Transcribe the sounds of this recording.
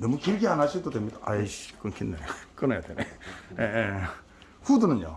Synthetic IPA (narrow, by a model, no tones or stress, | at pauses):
nʌmukiɾɡianɦaɕʰiɾdodwemɲidaʔaiɕk͈ɯnkʰinːḛk͈ɯnajadenejee | ɸudunɯnjo̰